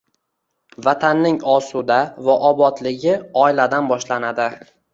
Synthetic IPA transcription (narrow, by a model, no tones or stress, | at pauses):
vat̪ʰanːɪŋɒsud̪avaʔɒbɒt̪lɪɡʲɪɒɪlad̪anbɒʃlanad̪ɪ